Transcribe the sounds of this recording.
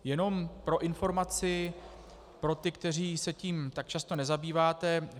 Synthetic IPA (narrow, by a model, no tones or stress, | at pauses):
jɛno̞mpɾo̞ʔɪnfo̞ɾmat͡sɪ | pɾo̞t̪ɪkt̪ɛr̝iːsɛciːmt̪ak̚t͡ʃast̪o̞nɛzabiːvaːt̪ɛ